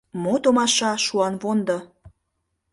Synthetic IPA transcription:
mot̪omɑʃɑʃuɑnβond̪o

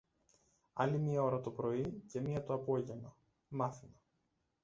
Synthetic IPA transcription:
ɐlimiɐo̞ɾɐt̪opɾo̞ice̞miɐt̪oɐpo̞ʝe̞no | mɐθimɐ

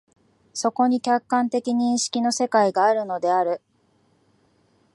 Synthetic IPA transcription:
so̞ko̞ɲ̟ikʲakːãnt̪e̞kʲiɲ̟ĩɰ̃ɕi̥kʲino̞se̞kaiɡaːɾɯ̟no̞d̪e̞aɾɯ̟

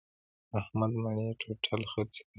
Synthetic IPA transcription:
ahmad̪maɳeʈʰoʈʰalxət͡s

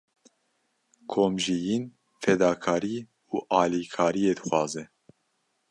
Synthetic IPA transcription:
kʰoːmʒijin | fɛd̪ɑːkʰɑːɾiː | uːʔɑːliːkʰɑːɾijeːd̪ɨxʷwɑːzɛ

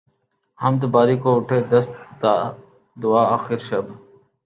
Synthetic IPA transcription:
hɐmt̪əbaːɾiːkoːʊʈʰeːd̪əst̪d̪aː | d̪ʊaːaːxiɾʃɐb

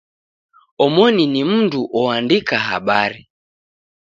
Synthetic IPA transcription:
ɔmɔninim̩nduʔɔandikaɦa̰ɓaɾi

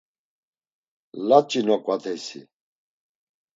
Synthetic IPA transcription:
lat͡ʃʼinɔkʼwat̪ʰɛsḭ

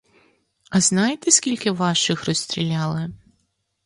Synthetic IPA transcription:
ɐznɑjet̪esʲkʲilʲkɪʋɑʃɪxrɔsʲt̪ʲɾʲilʲɑlˠɪ

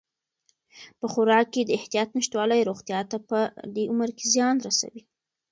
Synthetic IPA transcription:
pəxʊɾɑkːed̪əɪht̪ijɑt̪naʃt̪wɑləjɾoɣt̪jɑt̪apəd̪eʊməɾkezjɑnɾasa̰wi

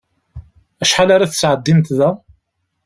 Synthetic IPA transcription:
æʃħalaɾaθət͡sːʕəd̪ːimt̪ðæ

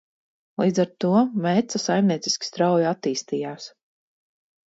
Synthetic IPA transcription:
lˠiːd̪zaɾt̪uɔmɛt̪sasajmniɛt̪si̥sʲkʲi̥st̪ɾawjat̪ːiːst̪iːjaːs

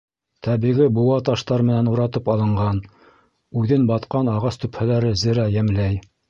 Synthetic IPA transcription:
t̪ʰæβiʁibuwɑt̪ɑʃt̪ɑɾmɘ̆nænuɾɑt̪ɤpɑlˠɤ̆ɴɢɑn | ʉðɘnbɑt̪qɑnɑʁɑst̪ɵ̆phælæɾɘzɘ̆ɾæjæmlæj

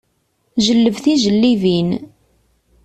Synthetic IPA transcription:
ʒəlːəvθiʒəlːivin

